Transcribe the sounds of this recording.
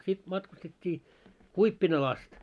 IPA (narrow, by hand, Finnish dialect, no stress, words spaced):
sit mɑtkustetʲːiː kuipːinɑl ɑst